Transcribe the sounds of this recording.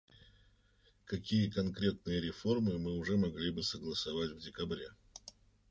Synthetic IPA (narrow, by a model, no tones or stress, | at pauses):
kɐkʲijəkɐnkɾʲe̞t̪̚nɨjəɾʲɪfo̞rmɨmɨʊʐɛmɐɡlʲibɨsəɡlˠəsɐvatʲvdʲɪkɐbɾʲe̞